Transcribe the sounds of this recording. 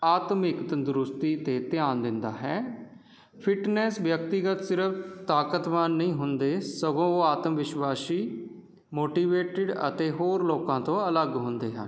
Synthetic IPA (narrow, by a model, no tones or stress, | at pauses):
aːt̪mɪkt̪ənd̪ʊɾʊst̪iːt̪eːt̪ɪjaːnd̪ɪnd̪aːɦɛː | pʰɪʈnɛːsʋjək̚t̪ɪɡət̪sɪɾəpʰt̪aːkət̪ʋaːnːəĩːɦʊnd̪eːsəɡõːoːaːt̪əmʋɪʃwaːsiː | moːʈiːʋeːʈɪɖə̰t̪eːɦoːɾloːkãːt̪õːələɡɦʊ̃nd̪ḛːɦɛ̰